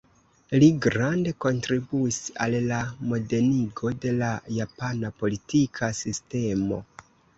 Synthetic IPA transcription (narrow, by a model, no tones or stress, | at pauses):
liɡɾande̞ko̞ntɾibuisa̰llamo̞de̞niɡo̞de̞lajapanapo̞litʰikʰasiste̞mo̞̰